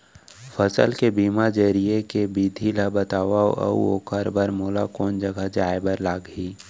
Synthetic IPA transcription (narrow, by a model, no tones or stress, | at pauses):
fʰəsə̰lkebiːmad͡ʒəɾijekebiːd̪ʱilabət̪aːwao̰ʔə̰ṵo̰kəɾbəɾmoːlakɔːnd͡ʒəɡad͡ʒaːebəɾlaːɡɦiː